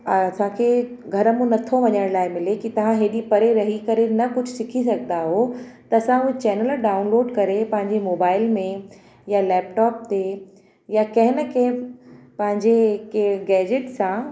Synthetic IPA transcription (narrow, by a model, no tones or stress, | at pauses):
ɐsãkʰeː | ɡʱɐɾəmũnɐt̪ʰoʋɐɲəɽ̃laːɪmɪlekit̪ɐʋ̤ãɦeːɗipɐɾeɾɐɦikɐɾenɐkʊd͡ʑʱʊsɪkʰis̬ɐɡʱnd̪aɦot̪ɐɐsãʊɦet͡ɕɛːnəlɖaːʊ̃nloːɖkɐɾepɐ̃ɦɪ̃ɲd͡ʑemoːbaːɪlmẽ | jalɛːp̚ʈɔːp̚t̪e | jakɐ̃ɦɪnəkʰẽpɐ̃ɦɪ̃ɲd͡ʑekeɡɛːd͡ʑɪʈsã